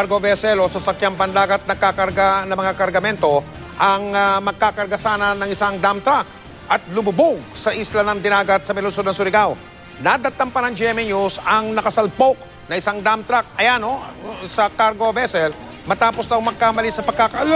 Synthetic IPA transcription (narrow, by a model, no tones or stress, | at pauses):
ɡobɛsɛlosɐsɐkjampɐnd̪aːɡɐt̪̚nɐkakɐɾɡanɐmɐŋakɐɾɡɐmɛnt̪o̞ | ʔɐŋmɐɡ̚kakɐɾɡɐsaːnɐnɐŋɪsaŋd̪amt̪ɾak̚ | ɐt̪̚lʊmʊbʊɡ̚sɐʔislanɐŋd̪ɪnaːɡɐt̪̚sɐmɪlʊnsod̪nɐŋsʊɾɪɡaw | nad̪ɐt̪ːɐmpɐnɐŋd͡ʒɛmɛɲusɐŋnɐkɐsɐlpok̚ | nɐɪsaŋd̪amt̪ɾak̚ɐjanosɐkaɾɡobɛsɛl | mɐt̪aːpo̞sd̪ɐwmɐɡ̚kamɐlisɐpɐɡ̚kːakɐʔla